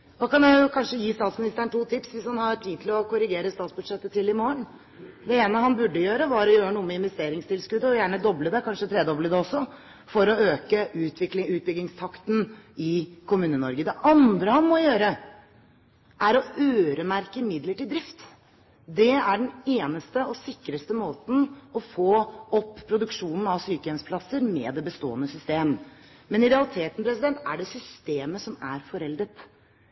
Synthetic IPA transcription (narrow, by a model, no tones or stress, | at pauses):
d̪ɑkʰɑnjæɪjʊkʰɑnʂəjiːst̪ɑːt̪smɪnɪst̪əəɳʈuːt̪ʰɪpsʋɪshɑnhɑʈʰiːd̪̚t̪ʰɪlɔkʊɾɪɡeːɾəst̪ɑːt̪sbʉd̪ʂɛt̪ːət̪ʰɪlɪmoːəɳ | d̪ɛeːnəhɑnbʉɖːəjøːɾəʋɑɾɔjøːɾənuːəmɛɪnʋɛst̪eːɾɪŋst̪ʰɪlskʉːd̪əɔjæːɳəd̪ɔbləd̪ɛkʰɑnʂət̪ʰɾeːd̪ɔbləd̪ɛɔsːɔ | fɔɾɔøːkəʉːt̪ʰʋɪklɪʉːt̪̚bʏɡlɪŋst̪ʰɑkt̪nɪkʰʊmʉːnənɔɾɡəd̪ɛʔɑnd̪ɾəhɑnmɔjøːɾə | ʔæɾɔʔøːɾəmæɾkəmɪd̪ləʈɪld̪ɾɪft̪ | d̪ɛæɖɛneːnəst̪əɔsɪkːɾəst̪əmoːt̪n̩ɔfoːɔpːpʰːɾʊd̪ʉkʂuːnn̩ɑʋsyːkəɛnspʰlɑsəɾmɛːd̪ɛbəst̪o̰ːənəsʏst̪eːm | mɛnɪɾɛɑlˠɪt̪ʰeːt̪ən̩pʰɾɛsɪd̪ɛnt̪æ̰ɖɛsʏst̪eːməsɔmæɾfɔɾɛld̪ət̪